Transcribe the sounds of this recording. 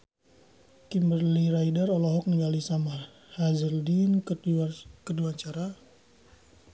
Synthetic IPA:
kimbərliɾajdərɔlɔɦɔk̚niŋɡalisamar | hazəldin | kəduaɲt͡ʃaɾa

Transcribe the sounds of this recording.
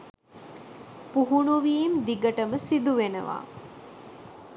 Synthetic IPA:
puɦuɳuʋiːmd̪iɡəʈəməsid̪uʋenə̰ʋa̰ː

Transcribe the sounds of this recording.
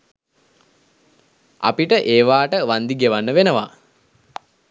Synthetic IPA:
a̰piʈəʔeːʋaːʈəʋand̪iɡeʋanːəʋenəʋa

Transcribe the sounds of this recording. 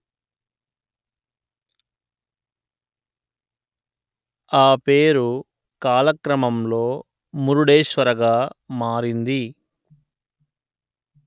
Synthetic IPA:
aːpe̞ːɾu | kaːlɐkɾɐmɐmlo̞ː | muɾuɽeːʃʋɐɾɐɡaːmaːɾind̪i

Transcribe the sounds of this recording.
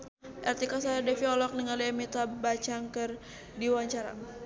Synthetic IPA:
ʔɛrt̪ikasaɛrdɛfiɔlɔk̚nəŋaliamit̪abat͡ʃaŋkɨr | diwaɲt͡ʃaɾa̰

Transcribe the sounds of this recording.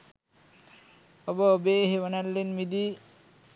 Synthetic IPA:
ɔbɔbeɦewanalːenmid̪i

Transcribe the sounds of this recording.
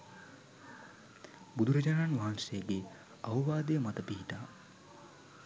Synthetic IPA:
bud̪ʱuɾɐd͡ʒaːnaːnʋaɦansejəɡe | aʋəʋaːd̪ejəmat̪əpiɦiʈaː

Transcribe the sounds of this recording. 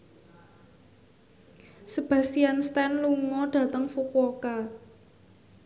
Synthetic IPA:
səb̥a̤sianst̪ɛnluŋɔɖ̥ä̤t̪əŋfukoka

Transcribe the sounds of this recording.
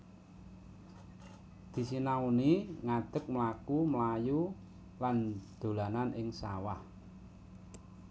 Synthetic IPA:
d̪̥i̤sinauniŋad̪̥ə̤k̚məlakuməlaju | land̪̥o̤lananʔɪŋsa̰wah

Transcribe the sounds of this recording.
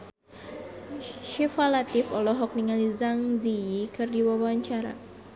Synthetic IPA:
ʃifalat̪ifɔ̰lɔɦɔk̚niŋalizaŋziikɨrdiwawaaɲt͡ʃaɾa̰

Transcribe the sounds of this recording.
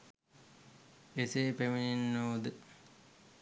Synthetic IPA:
eseːpemininːoːd̪ə

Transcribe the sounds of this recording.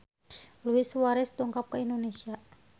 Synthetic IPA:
luiswaɾɛst̪uŋkap̚kaindonesia

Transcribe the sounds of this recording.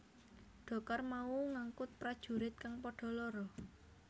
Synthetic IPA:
ɖ̥ɔ̤karmauŋaŋkʊt̪̚pɾad̥ʒ̥ṳɾɪt̪̚kaŋpɔɖ̥ɔ̤lɔɾɔ

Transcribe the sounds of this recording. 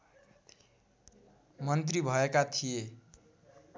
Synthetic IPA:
mʌnt̪ribʱʌekat̪ʰije

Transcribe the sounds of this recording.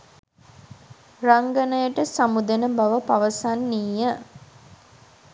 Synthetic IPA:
raŋɡənəjəʈəsamud̪enəbaʋəpaʋəsanːiːjə

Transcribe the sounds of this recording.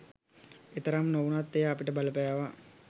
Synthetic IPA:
et̪əɾamnoʋunat̪ːejaːpiʈəbaləpajaʋa

